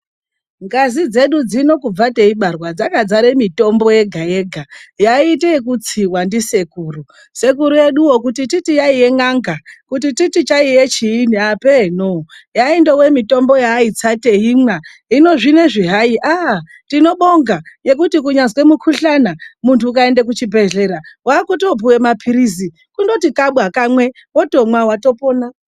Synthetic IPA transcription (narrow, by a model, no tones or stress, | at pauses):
ŋɡazid͡ze̞ɗud͡zino̞kub͡vate̞iɓarwad͡zakad͡zaɾemito̞mbo̞je̞ɡʱaje̞ɡʱajaiteekut͡siwandise̞kuːru | se̞kuɾuje̞ɗuwokutititijaijeŋaŋɡakutititit͡ʃaijet͡ʃiːniapenojaende̞wemito̞mbo̞jait͡sateɦimwa | ɦino̞ʐine̞ʐiɦaiʔa | tino̞ɓoŋɡaje̞k̬utikuɲanzwe̞mukʰuɬanamuntʰuuk̬ae̞ndek̬ut͡ʃibʱe̞ɮe̞ɾawakutop̬uwe̞mapʰiɾizi | kundo̞tikaɓwakamwe̞ | woto̞mwawato̞poːna